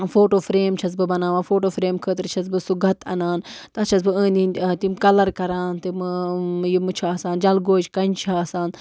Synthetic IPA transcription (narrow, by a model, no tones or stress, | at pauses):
foːʈoːfɾeːmt͡ʃʰɐt͡s̬bɨbɐnaːʋaːfoːʈoːfɾeːmkʰəːt̪ɨɾt͡ʃʰɐz̬bɨsuɡʱɐt̪ɐ̰naːnt̪ɐt͡ʃʰɐt͡sbɨə̃ːnd̪int̪imkɐlɐɾkɐɾaːnt̪imjimɨt͡ʃʰaːsaːnd͡ʒɐlɡoːt͡ʃkɐnt͡ʃʰaːsaːn